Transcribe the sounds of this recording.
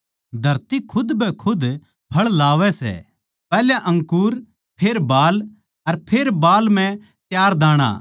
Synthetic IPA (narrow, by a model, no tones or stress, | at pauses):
d̪ʱɐɾt̪ikʰʊd̪bʱɛkʰʊd̪ | pʰɐɭlaːʋɛsɛ̰ | pɛːljaʔɐ̃ŋkuːɾ | pʰeːɾbaːl | ɐɾpʰeːɾbaːlm̤ɛ̃ | t̪jaːɾd̪aːɽ̃a̰ː